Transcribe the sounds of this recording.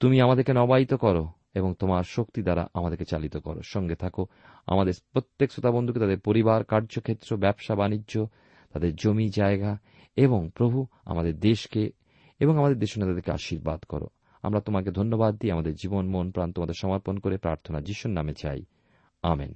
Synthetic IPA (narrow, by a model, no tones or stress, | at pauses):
t̪umiamad̪eɾkenɔbait̪okɔɾo | eboŋt̪omaɾʃok̚t̪id̪aɾa̰ʔamad̪eɾket͡ɕalit̪okɔ̰ɾo̰ʃɔŋɡet̪ʰako | a̰mad̪eɾpɾot̪ːeksot̪abond̪ʱuket̪ad̪eɾpoɾibaɾkaɾd͡ʑokʰet̪ːɾobɛbʃabanid͡ʑʑo | t̪ad̪eɾd͡ʑomid͡ʑaeɡa | eboŋpɾobʱua̰mad̪eɾd̪eʃke | eboŋamad̪eɾd̪eʃonet̪ad̪eɾkea̰ʃiɾba̰d̪kɔ̰ɾo̰ | a̰mɾat̪omaked̪ʱonːobad̪ːiamad̪eɾd͡ʑibonmonpɾant̪omad̪eɾʃɔmaɾponkoɾepɾa̰ɾt̪ʰonad͡ʑiʃunːamet͡ɕa̰j | a̰mḛn